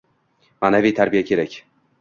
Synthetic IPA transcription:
manævijt̪ʰæɾbijakʲʰe̞ɾækʲ

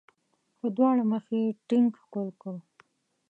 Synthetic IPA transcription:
xəd̪wɑɽaməxeʈɪŋkxkolkə

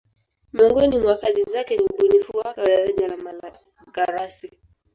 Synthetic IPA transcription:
miɔŋɡɔnimwakazizakɛniuɓunifuwakalaɾaʄalamaa | ɡaɾasi

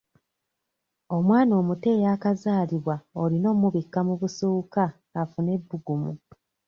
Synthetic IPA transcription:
o̞mwaːno̞ːmute̞ːjakazaːliβwaolino̞ːmuβikːamuβusoːkaː | fune̞bːuɡumṵ

